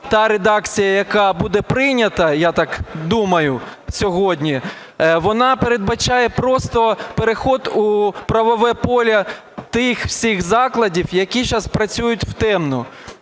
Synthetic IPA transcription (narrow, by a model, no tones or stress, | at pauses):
t̪ɑɾed̪ɑkt͡sʲijɐjɐkɑbud̪ɛpɾɪjnʲɐt̪ɐjat̪ɑkd̪umɐjʊsʲɔɦɔdʲnʲi | ʋɔnɑpeɾe̞d̪bɐt͡ʃajɛpɾɔst̪ɔpeɾexɔd̪upɾɐʋɔʋɛpɔlʲɐ | t̪ɪxwsʲixzɑklˠɐdʲiwjɐkʲit͡ʃɑspɾɐt͡sʲujʊtʲw̥t̪ɛmnʊ